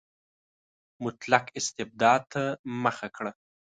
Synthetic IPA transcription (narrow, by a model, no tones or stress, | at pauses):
mʊt̪lakɪst̪ɪb̚d̪ɑd̪̚t̪ʰaməxakɽa